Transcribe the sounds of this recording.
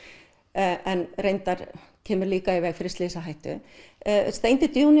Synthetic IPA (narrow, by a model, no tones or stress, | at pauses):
ɛnrejnt̪aɾ̥ | cʰɛːmʏɾliːkaɪvɛːɣfɾɪst̪leːsaɦajht̪ʏ̰ | st̪ejnt̪ɪt̪joːwn